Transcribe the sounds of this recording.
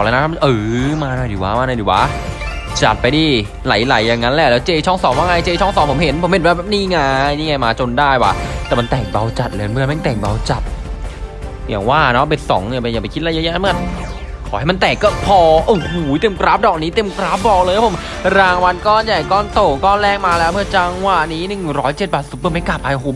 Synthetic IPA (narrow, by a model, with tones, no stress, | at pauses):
lɛ˧˦˥nʰ˧˦˥ʔɯː˨˩maː˧na˧˩diː˨˩˦waː˦˥maː˧na˧˩diː˨˦wa̰ː˦˥ | t͡ɕa˨˩pːa˧jdiː˧˩ | la˨˩˦jla˨˦jːa˨˩ŋːa˦˥nlɛː˧˦˧wlɛː˦˥wt͡ɕeː˧t͡ɕʰɔ˥˩ŋsɔː˨˩˦ŋwaː˥˩na˧jt͡ɕeː˧t͡ɕʰɔ˥˩ŋsɔː˨˦mpʰo˩˦mɦe˨˦npʰo˨˩˦mhe˨˩nbɛ˧˩bɛː˨˩pniː˥˩ŋaː˧jniː˧˥˩ŋa˧jmaː˧t͡ɕo˧ndaː˥˩jwa̰ː˨˩t̪ɛː˨˩ma˧nt̪ɛː˨˩k̚ba˧wt͡ɕa˨˩t̪̚lːma˧nmɯ˧ə˨nma˥˩t̪ɛː˨˩ŋ̚ba˧wt͡ɕa˨˩t̪̚ | ja̰ː˨˩ŋwaː˥˩nɔ˦˥be˧˩nsɔ̰ː˩˦ŋni˧˩ba˧jaː˨˩pa˧˩kʰi˦t̪̚la˧˩jaː˧˦ja˧˨˧mɯ˥˩ə˨n | kʰɔː˨˦ha˥˩jma˧nt̪ɛː˨˩kːɔː˥˩pʰɔː˧ʔo˨˧˩huː˨˦jt̪e˧˩˨mkɾa˦˥p̚dɔː˨˩k̚niː˦˥t̪e˧˨mkɾa˦˥p̚bɔː˧˩k̚lɤː˧jwʰa˥˩pʰo˩˦m | ɾaː˧ŋwa˧nkɔː˥˩nja˨˩kɔː˥˩nt̪o˨˩kɔː˥˩lɛː˥˩ŋ̚maː˧lɛː˦˥wmɯ˥˩ɐt͡ɕa˧ŋwa˨˩niː˦˥nɯ˨˩ŋɾɔː˦˥jt͡ɕe˨˩t̪̚baː˨˩su˨˩p̚bɯː˧˥˩ma˥˩ka˨˩p̚ːaː˧jɦo˨˩˦m̚